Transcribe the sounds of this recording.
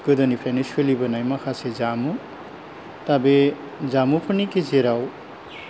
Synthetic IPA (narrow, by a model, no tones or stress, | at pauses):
ɡɯd̪ʌnipʰɾajneswelibʌnajmakʰasezamu | t̪abe | zamupʰɯnikezeɾaw